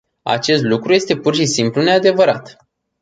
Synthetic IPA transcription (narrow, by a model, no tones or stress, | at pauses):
a̰t͡ʃe̞st̪lukɾuje̞st̪e̞purʃisimplune̞ad̪e̞vəɾat̪